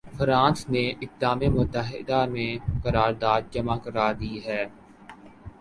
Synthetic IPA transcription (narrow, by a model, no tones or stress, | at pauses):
fʰəɾãːnsneʔɪtlaːmemʊt̪ːəɦɪ̰d̪amẽkɐɾaːɾd̪aːd̪̚d͡ʒɐmakəɾaːd̪iːɦɛː